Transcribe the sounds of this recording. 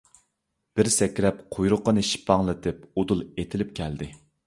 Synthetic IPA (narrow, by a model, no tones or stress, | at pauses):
b̥ɪɾsɛkʲɾɛp̚qʰojɾʊqːənɨʃi̥pʰɑŋlˠɨt̪ʰɪp̚od̪ulˠet̪ʰɪlɪp̚kʲʰɛld̪ɪ